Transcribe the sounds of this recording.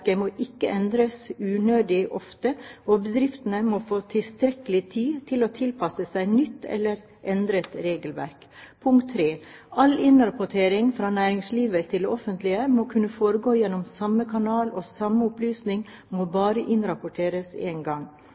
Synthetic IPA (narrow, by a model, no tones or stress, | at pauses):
kəmoːʔɪkːəʔɛnd̪ɾəsʉːnøːd̪ɪʔɔft̪əʔoːbəd̪ɾɪft̪ənəmoːfoːt̪ʰɪlst̪ɾɛkəlɪt̪ʰiːt̪ʰɪloːt̪ʰɪlpʰɑsəsæɪnʏt̪ːɛ̰lːəɾ | ʔɛnd̪ɾət̪ɾeːɡəlʋæ̰ɾk | pʰʊŋkt̪ʰːɾeːʔɑlɪnɾɑpʊʈʰeːɾɪŋfɾɑːnæːɾɪŋsliːʋət̪ʰɪld̪ɛʔɔfənt̪lɪəmoːkʰʉnːəfoːɾəɡoːjɛnːɔmsɑmːəkʰɑnɑːloːsɑmːəʊplyːsnɪŋ | moːbɑːɾəʔɪnɾɑpʊʈʰeːɾəseːnɡɑŋ